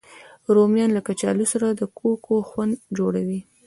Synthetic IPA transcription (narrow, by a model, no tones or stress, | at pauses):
ɾomjɑnlakat͡ʃɑ̰lusaɾad̪əkʰokoxwand̪d͡ʒoɽawi